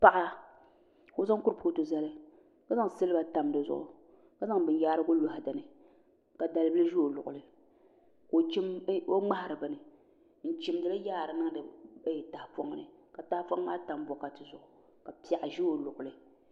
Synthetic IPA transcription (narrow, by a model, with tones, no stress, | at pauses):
pa˦ʔa˦ | ko˦za˦ŋ˦kʊ˦ɾpu˦to˨za˦lɨ˦ | ka˦za˦ŋ˨sɨ˦lɨ˦ba˨ta˨mdɨ˨zʊ̰˦˨ʔʊ̰˨ | ka˦za˦ŋbɨ˨n˦jaː˦ɾɨ˦ɡo˦lo˦ha˨da˨nɨ˨ | ka˨da˨lɨ˦bɨ˦lɨ˦ʒi˦o˨lʊ̰˨ʔʊ˨lɨ˨ | ko˨t͡ʃi˦m˦o˦ŋ͡ma˦ha˨ɾɨ˨ba˨nɨ˨ | n̩˨t͡ʃɪ˦m˦dɨ˨la˦jaː˦˨ɾɨ˨nɨ˦ŋ˦dɨ˨bjta˨hpo˦ŋ˦nɨ̰˨ka˨ta˨hpo˦ŋː˦aː˦ta˨m˦bɔ˨ka˨tɨ˨zʊ˨ʔʊ˨ | ka˨pi˨a˨ʔa˨ʒi˦o˨lʊ˨ʔʊ˨lɨ˨